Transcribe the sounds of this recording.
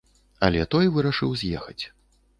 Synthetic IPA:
ɐlʲɛt̪ɔjvɨɾɐʂɨwzʲjɛxɐt͡sʲ

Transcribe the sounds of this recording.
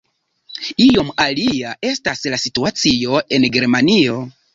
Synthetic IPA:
io̞maliaʔe̞staslasituat͡sio̞e̞nɡe̞ɾmanio̞

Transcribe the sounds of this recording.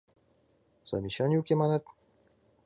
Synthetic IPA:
soamʲiɕaɲiɯkemanat̪

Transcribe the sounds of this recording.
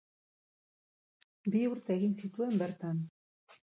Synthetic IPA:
biuɾt̪aeɣinsit̪uembeɾt̪an

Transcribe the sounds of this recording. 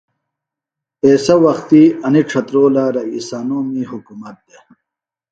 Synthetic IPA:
eːsɐwɐxt̪iɐniʈ͡ʂʰɐt̪ɾoːlaɾɐisaːnoːmiɦukumɐt̪̚d̪e

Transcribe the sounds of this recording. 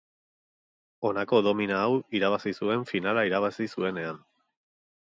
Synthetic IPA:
o̞nako̞ðo̞minaːwiɾaβasisue̞ɱfinalaiɾaβ̞asisue̞ne̞an

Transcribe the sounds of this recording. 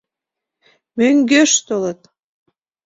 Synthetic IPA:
møŋɡøʃt̪olə̆t̪̚

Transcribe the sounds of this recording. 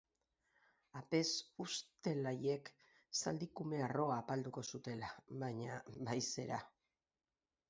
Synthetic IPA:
ape̞sust̪e̞laje̞k | sa̰ld̪ikume̞aro̞aːpald̪uko̞sut̪e̞laβaɲaβajse̞ɾa

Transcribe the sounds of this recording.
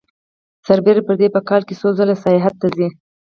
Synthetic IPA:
saɾbeɾapəɾd̪epəkɑlkesozəlasɑjɑɦat̪ːazi

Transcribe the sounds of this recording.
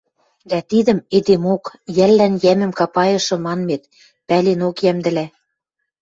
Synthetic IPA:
d̪æt̪id̪ə̆med̪emokjælːænjæmɘ̆mkɑpɑjɤ̆ʃɤ̆mɑnmet̪ | pælenokjæmd̪ɘ̆læ

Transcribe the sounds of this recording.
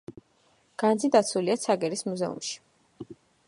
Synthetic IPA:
ɡ̥and̪zid̪at̪sʰuliat̪sʰaɡɛɾismuzɛṵmʃi̥

